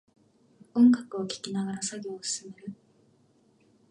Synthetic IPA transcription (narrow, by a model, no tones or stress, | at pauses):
õ̞ŋɡakɯ̟o̞kʲi̥kʲinaɡaɾasaɡʲo̞ːsɨ̥sɨme̞ɾɯ̟